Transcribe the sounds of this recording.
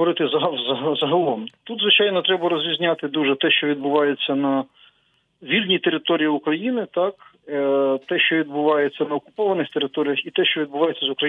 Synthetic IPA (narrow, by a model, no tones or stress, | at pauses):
ɔɾɪt̪ɪzɐɦɐzɐɦzɐɦɐlˠɔmt̪ud̪zʋɪt͡ʃɑjnɔt̪ɾɛbɐɾɔzʲʋʲizʲnʲat̪ɪd̪uʒɛt̪ɛʃt͡ʃɔʋʲid̪bʊʋɑjet͡sʲːɐnɐ | ʋʲilʲnʲit̪eɾɪt̪ɔɾʲijiʊkɾɐjinɪt̪ɑk | t̪ɛʃt͡ʃɔʋʲid̪̚bʊʋɑjet͡sʲːɐnɐɔkʊ̥pɔʋɐnɪxt̪eɾɪt̪ɔɾʲijɐxit̪ɛʃt͡ʃɔʋʲid̪̚bʊʋɑjet͡sʲːɐzʊkɾɐ